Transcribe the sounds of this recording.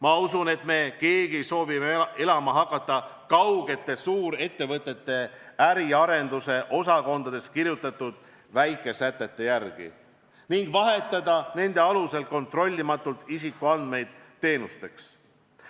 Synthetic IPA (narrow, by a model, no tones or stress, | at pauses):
mɑusune̞t̪me̞ke̞ːɡ̥iso̞ːvimee̞lɑmɑɦɑkːˑɑt̪ˑːɑkɑwɡe̞t̪ːˑe̞suːɾe̞t̪ːe̞vɤt̪ːˑe̞t̪ːe̞æɾiɑɾe̞nd̪̥use̞ʔo̞sɑko̞nd̪̥ɑd̪e̞skiɾjut̪ːˑɑt̪ːud̪̥ | væjkːˑe̞sæt̪ˑːe̞t̪ːe̞jærɡ̥ḭ | niŋɡ̥vɑɦe̞t̪ːˑɑd̪ɑne̞nd̪̥e̞ɑluse̞l̚ko̞nt̪ro̞lʲːimɑt̪ːˑult̪isikuɑnd̪̚me̞jd̪̥t̪ːe̞ːnust̪e̞ks